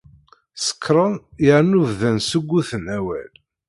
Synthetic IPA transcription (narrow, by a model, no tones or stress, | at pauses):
sə̥kʰːɾˤənjəʕnuvðænsəɡʷːuθənæwæ̰l